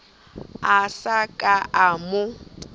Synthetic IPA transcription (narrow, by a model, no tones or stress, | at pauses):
asakʼaʔamʊ